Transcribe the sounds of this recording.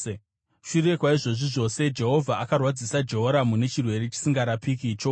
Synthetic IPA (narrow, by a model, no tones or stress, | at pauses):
ʃure̞kwaiʐo̞ʐiʐo̞se̞d͡ʒe̞ɦo̞vʱaakarwad͡zisad͡ʒe̞ɦo̞ɾamune̞t͡ʃirwe̞ɾe̞t͡ʃi̥siŋɡaɾapikiːt͡ʃo